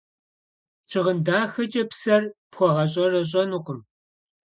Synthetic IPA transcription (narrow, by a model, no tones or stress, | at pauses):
t͡ʃʰɪʁəndaːxɐt͡ʃʼɐpsɐrpxʷɔʁɐɕ̬ʼɐrɐʑ̬ʼɐnuqʷʼʊm